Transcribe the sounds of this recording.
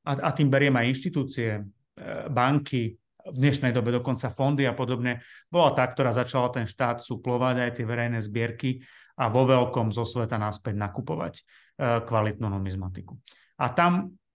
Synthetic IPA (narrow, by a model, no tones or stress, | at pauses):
aat̪iːmbɛɾɪɛmajinʃt̪it̪uːt͡siɛ | baŋkʰi | vd̪ɲɛʃnɛjd̪ɔbɛd̪ɔkɔnt͡safɔnd̪iapɔd̪ɔbɲɛbɔlat̪aːk̚t̪ɔɾaːzat͡ʃalat̪ɛnʃt̪aːt̪suplɔʋaɟajt̪ɪɛʋɛɾɛjnɛzbɪɛɾki | aʋɔʋɛlkɔmzɔsʋɛt̪anaspɛɟnakupɔʋa̰c | kʋalit̪nuːnɔmizmat̪iku | at̪am